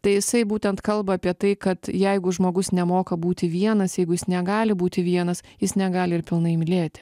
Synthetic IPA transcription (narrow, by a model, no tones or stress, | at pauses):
t̪ɐɪjɪsɐɪbuːt̪ʲɛnt̪kɐlˠbɐːpʲiɛt̪ɐɪkɐt̪jɛɪɡʊʒmoːɡʊsnʲɛmoːkɐbuːt̪ʲɪʋʲiɛnɐsjɛɪɡʊjɪsnʲɛɡɑːlʲɪbuːt̪ʲɪʋʲiɛnɐsjɪsnʲɛɡɑːlʲɪɪɾpʲɪlˠnɐɪmʲɪlʲeːt̪ʲɪ̥